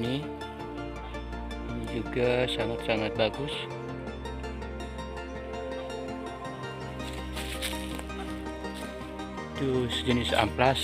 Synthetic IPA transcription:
ni | inid͡ʒuɡasaŋat̪saŋat̪̚baɡʊs | t̪usd͡ʒənɪsa̰mplas

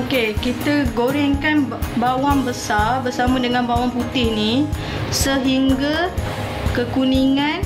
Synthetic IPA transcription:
okekit̪əɡoɾɪŋkanbawaŋbəsarbərsamãdəŋãnbawaŋput̪ɪhni | səɦiŋɡa | kəkuniŋãn

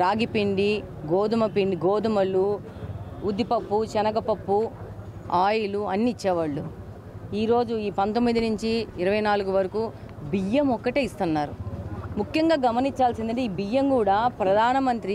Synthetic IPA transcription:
ɾaːɡipiɳɖiɡoːd̪umɐpiɳɖiɡoːd̪umɐlːu | ud̪ːipɐpːut͡ʃɛnɐɡɐpɐpːu | aːjiluɐnːiit͡ʃːɛːʋɐɭːu | iːɾo̞ːd͡ʒuiːpɐnt̪omːid̪inuɲt͡ʃiːɾɐʋɐjnaːluɡuʋɐɾɐkuː | bijɐmɔkːɐʈeːist̪unːaːɾumukjɐŋɡaːɡɐmɐnit͡ʃːaːlsind̪ɐɳʈiːbijɐmkuːɽaːpɾɐd̪ʱaːnɐmɐnt̪ɾi

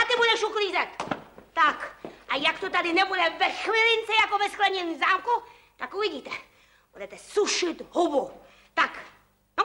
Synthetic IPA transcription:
at̪ɪbudɛʃukliːzɛt̪ːakʔajakt̪ot̪adɪnɛbudɛvɛxvɪlɪnt͡sɛjakovɛsklɛɲɛniːzaːmku | t̪akuviɟiːt̪ɛ | b̥udɛt̪ɛsuʃɪt̪ɦɔbo | t̪ak | no

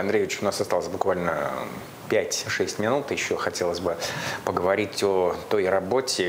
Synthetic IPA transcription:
ɐnd̪ɾʲejvʲɪt͡ɕʊnasɐst̪ɑlˠəsʲbʊkvalʲnə | pʲætʲʂɛsʲtʲmʲɪnut̪jɪɕːoxɐtʲelˠəzʲbɨpəɡəvɐɾʲitʲot̪o̞jrɐbo̞tʲɪ

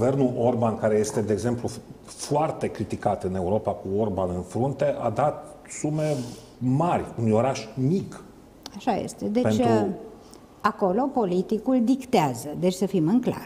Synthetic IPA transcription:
ɡuve̞rnulʔo̞rbankaɾe̞je̞st̪e̞d̪eːɡze̞mplu | foart̪e̞kɾit̪ikat̪ɨne̞uɾo̞pakuo̞rbanɨnfɾunt̪e̞ʔad̪at̪sume̞ | marʲunujo̞ɾaʃmik | aʃajḛst̪e̞d̪e̞pent͡ʃ̪ʲɾ | ako̞lo̞po̞lit̪ikuld̪ikt̪eazəd̪e̞t͡ʃʲsəfimɨŋkla̰r

